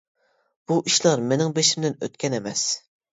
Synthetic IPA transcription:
b̥uʔiʃlˠɑɾmenɪŋbeʃimd̪ɪnø̰t̪̚kʲɛnemɛs

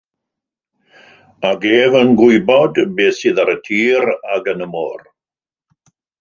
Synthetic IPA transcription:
aɡeːvənɡwʊɨbɔdbeːsɨðaɾətʰiːɾaɡənəmɔːr

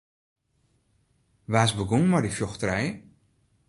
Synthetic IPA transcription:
ʋaːsbəɡuŋmadifjoxtrɛj

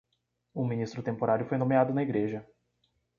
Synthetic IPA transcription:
ʊmĩnist̪ɾʊt̪ẽmpoɾaɾjʊfojnõmead̪ʊnɐiɡɾeʒɐ

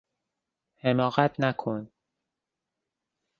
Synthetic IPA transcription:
hemɒːɣæt̪ʰnækʰon

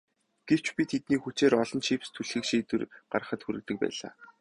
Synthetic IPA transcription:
ɡ̥ew̥t͡ɕpʲit̪ʰet̪̚niːxut͡ɕeːɾɔɮɞ̆nt͡ɕʰipst̪ʰuɮxɘ̆kʃiːt̪ɘ̆rɢarə̆χə̆t̪xuɾɘ̆k̚t̪ɘ̆k̚pæ̰ːɮa̰ː

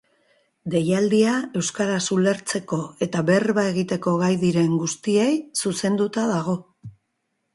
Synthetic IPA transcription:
d̪e̞jald̪iae̞wskaɾasule̞ɾt͡se̞ko̞e̞t̪aβe̞rβae̞ɣit̪e̞ko̞ɣajðiɾe̞ŋɡust̪ie̞jsuse̞nd̪ut̪aðaɣ̞o̞

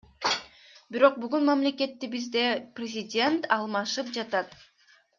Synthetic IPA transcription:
biɾo̞q̚byɡynmamle̞ke̞t̪ːibizd̪e̞prʲɪzʲɪdʲe̞nt̪ɑlˠmɑʃɯp̚d͡ʒɑt̪ɑt̪

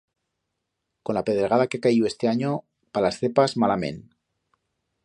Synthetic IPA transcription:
konlapeð̞ɾeɣað̞akeakaiðoest̪e̞aɲo | palasθepazmalamḛn

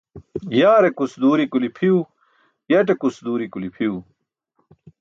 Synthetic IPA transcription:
jaːɾekusd̪uːɾikulipʰiu | jɐʈ̬ekusd̪uːɾikulipʰiu

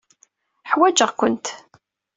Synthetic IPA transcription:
ħwæd͡ʒəʁkʷʊnt̪

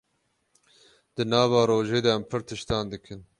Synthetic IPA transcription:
d̪̥ɨnɑːvɑːɾoːʒeːd̪ɛæmpʰɨɾt̪ʰɨʃt̪ɑːnd̪ɨkʰɨn

